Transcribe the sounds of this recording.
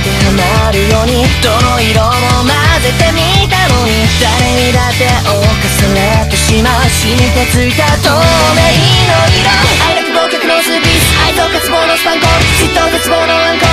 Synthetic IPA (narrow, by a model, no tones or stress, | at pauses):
t̪eamaɾɯ̟joːɲ̟id̪̥onoiɾomomazet̪e̞mʲit̪ano̞ɲ̟i | d̪̥aɾeɲid̪at̪ːe̞ʔokasɨnet̪ːeɕimaɕimit̪et͡sɨit̪at̪omeɲinoiɾoaiɾat̪oɾot̪ekɯnosɨpisait̪okɯt͡sɨbonost̪ãŋkosit̪ːokɯt͡sɨbonosãŋko